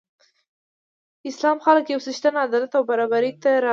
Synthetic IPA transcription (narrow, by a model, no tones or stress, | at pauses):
ɪslɑmxaləkjawsəʃt̪anaad̪ɑlat̪awbaɾɑbaɾit̪aɾɑ